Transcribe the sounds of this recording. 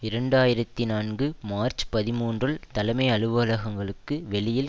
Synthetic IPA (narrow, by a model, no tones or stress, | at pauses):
ɪɾɐɳɖaːjɪɾɐt̪ːinaːnɡɯmaːɾt͡ʃpɐðɪmuːndrɯɭt̪ɐlɐmɐɪɐɭɯʋɐɐlɐɣɐŋɡɐɭɯkːɯʋɛɭɪjɪl